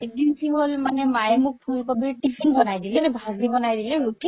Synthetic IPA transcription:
edinsʰiŋholmanɛmajɛmuk̚pʰulkobiɹtipʰiŋbɔnajdilɛnɛbʱazibɔnajdilɛɹutʰi

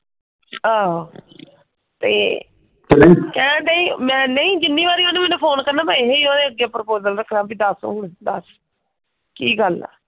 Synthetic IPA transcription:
ãː | t̪ḛː | t͡ʃəlekɛːnãːʈaːĩːmɛ̃ːnəĩːd͡ʒɪnːiːβaːɾiːõːneːmɛːnũːpʰoːnkəɾnaːpãɦeːiːõːd̪eːəɡaːpɾəpoːzəlɾəkʰɾãːbiːd̪əsṵ̃ːnd̪əs | kiːɡəlɛ̰ː

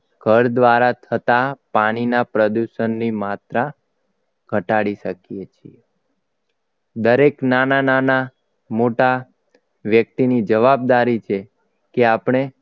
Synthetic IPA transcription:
ɡʱəɾd̪ʋaɾat̪ʰət̪apaɽ̃inapɾəd̪uʃənːimat̪ɾa | ɡʱəʈaɽiʃəkijet͡ʃʰḭe | d̪əɾeknananana | moʈa | ʋjək̚t̪inid͡ʒəʋab̚d̪aɾit͡ʃʰe | keapɳ̃e

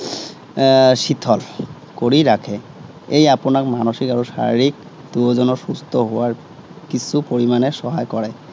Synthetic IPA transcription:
sitʰɔl | koɹiɹakʰɛ | ejapʊnakmanoxikaɹusa̰ɹiɹik̚ | duɔzɔnɔɹsustʰɔɦʊwaɹ | kisupoɹimanɛsɔɦajkɔɹɛ

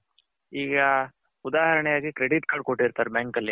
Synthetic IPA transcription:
iːɡɐ | ud̪aːɦɐɾɐɳɛjaːɡikɾeɽiʈkaːɖ̚koʈːiɾt̪aːɾbaːŋkɐlːi

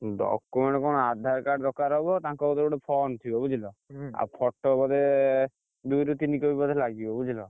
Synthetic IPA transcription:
ɖɔ̰kumeɳʈkɔnɔad̪ʱaɾkaɖɾɔkaɾɦɔbɔt̪ãŋkɔbɔd̪ɔbɔɽepʰɔnt̪ʰibɔbud͡ʒʱilɔa̰pʰɔʈːɔbɔd̪e | d̪ujɾut̪inikɔbibɔd̪ʱelaɡibɔbud͡ʒilɔ

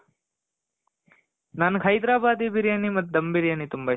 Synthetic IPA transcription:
naːnkʰɐjd̪ɾaːbaːd̪ibiɾjanimɐt̪ːd̪ɐmbiɾjɐnit̪umbɐ

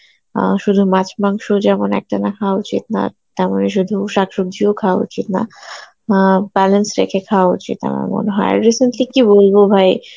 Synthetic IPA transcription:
ʃud̪ʱumat͡ɕmaŋʃod͡ʑɛmonɛ̰k̚ʈanakʰawaut͡ɕit̪̚na̰ | t̪ɛmoneʃ̬ud̪ʱuʃakʃoɡ̚d̪ʱiokʰawaṵt͡ɕit̪na̰ | bɛlensɾḛkʰekʰawaut͡ɕit̪a̰mɾa̰mo̰neɦɔeɾiseɳʈlikibolbobʱaj

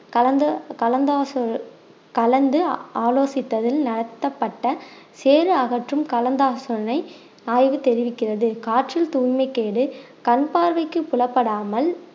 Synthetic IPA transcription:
kɐlɐnd̪ɐkɐlɐnd̪aːs | kɐlɐnd̪ɯaːloːsɪt̪ːɐðɪlnɐɽɐt̪ːɐpːɐʈːɐ | seːɾɯɐɣɐʈrɯmkɐlɐnd̪aːsɔɾɐnɐɪ | naːjʋɯt̪ɛɾɪʋɪkːɪrɐðɯkaːʈrɪlt̪uːjmɐɪkːeːɽɯ | kɐnpaːɾʋɐɪkːɯpːʊlɐpːɐɽaːmɐl

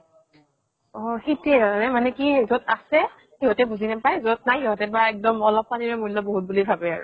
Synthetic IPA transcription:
ɔxitɛanɛmanɛkizotasɛ | hiɦɔtɛbuzinapajzot̚najeɦotɛbaɛk̚dɔmɔlɔp̚maniɹɛmulɔboɦut̚bulibʱabɛaɹʊ̰

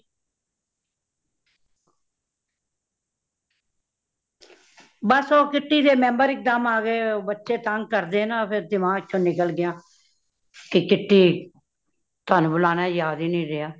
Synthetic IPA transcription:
bəsoːkɪʈːiːd̪eːmɛ̃ːmbəɾɪk̚d̪əmaːɡeːbətːʃeːt̪əŋɡ̚kəɾd̪eːnãːpʰɪɾd̪ɪmãːt͡ʃʰõːnɪkəlɡɪjãː | kɪkɪʈːiː | t̪ʊaːnũːbəlaːnaːjaːd̪iːnĩːɾɪjaː

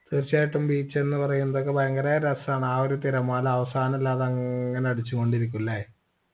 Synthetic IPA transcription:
t̪irt͡ɕːaːjiʈːumbiːt͡ɕːe̞nːɨpɐrɐjunːɐðo̞k̬ːebʱɐjɐŋɡɐɾaːjɐɾɐsaːɳaːoɾut̪iɾɐmaːlɐʋɐsaːnɐmilːaːðeɐŋːɐneɐɽut͡ɕːuko̞ɳɖiɾikʲːulːɐ

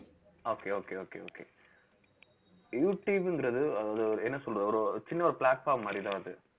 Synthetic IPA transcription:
oːkeːoːkeːoːkḛːo̰ːkḛː | juːʈːiʋɪnŋɡɪɾɐðɯɐðaːðɯɔɾɯɛnːɐsɔlːɐɔɾɯt͡ʃɪnːɐɔɾɯplaːʈfaːɾmaːɾɪt̪ãːɐðɯ

